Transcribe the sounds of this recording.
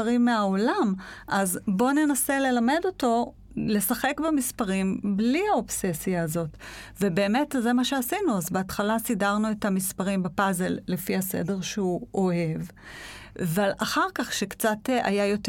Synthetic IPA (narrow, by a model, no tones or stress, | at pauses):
ʁimːeao̞lamʔazbo̞ne̞nase̞le̞lame̞do̞to̞ | le̞saχe̞kbemispaʁimbliaopse̞sjaːzo̞tve̞be̞ːme̞tze̞maʃeasinuazbeatχalasidaʁnue̞thamispaʁimbepazelːefihase̞̰de̞ʁʃeuo̞he̞v | avalaχaʁkaχʃekt͡sata̰jajo̞t